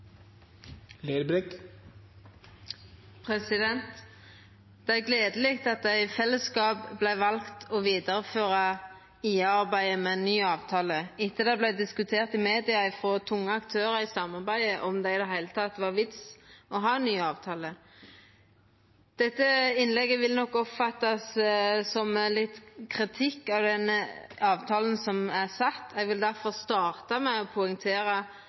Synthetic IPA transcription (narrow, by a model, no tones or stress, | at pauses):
leːɾbɾɛk | pʰʁɛsɪd̪ɛnt̪ | d̪̥ɛæʁɡleːd̪əliːk̚t̪ɑt̪̚d̪æɪfɛlːəskɑːpblæɪʋɑlkt̪ʰɔʋiːd̪əʁəføːʁɑ | iːəɑʁbæɪəmɛnːyːɑːʋt̪ʰɑːləɪt̪ːəd̪ɛblæɪd̪ɪskʉt̪ʰeːʁt̪ɪmeːd̪ɪɑɪfʁoːt̪ʰʊŋːəɑkt̪ʰøːʁəɪsɑmɑʁbæɪəʔɔmd̪æɪɪd̪ɛhæɪlət̪ʰɑt̪ːʋɑʁʋɪt̪sɔɦɑːnːyːɑːʋt̪ʰɑːlə | d̪̥ɛt̪ːəɪnlɛɡːəʋɪlnɔkːɔpfɑt̪ːɑssɔmlɪt̪kʰʁɪt̪ʰɪkːɑʋd̪ɛnəɑːʋt̪ʰɑːlən̩sɔmæʁsɑt̪ːɛɡʋɪld̪æʁfɔʁst̪ɑːʁt̪ɑmɛɔpʰʊɛŋt̪ʰeːɾə